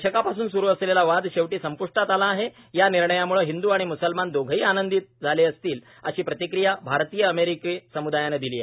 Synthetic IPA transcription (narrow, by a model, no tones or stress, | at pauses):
ɕəkapasuːnsuɾuːəslelaʋad̪ɕeʋʈiːsəmpuʂʈat̪alaːɦe | janiɾɳəjamuɭəɦind̪uːaɽ̃imusəlmand̪oɡʱiːanənd̪it̪̚d͡zʱaleəst̪iːl | ə̰ɕiːpɾət̪ikɾijabʱaɾt̪iːjəːmeɾikesəmud̪ajaned̪iliːḛ